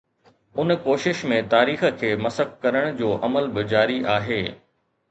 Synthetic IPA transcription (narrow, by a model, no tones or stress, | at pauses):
ʊnkoːʃɪʃmẽt̪aːɾiːxə̆kʰeːmɐsəkkɐɾəɽ̃d͡ʑoːʔɐməlbɪd͡ʑaːɾiʔaːɦeː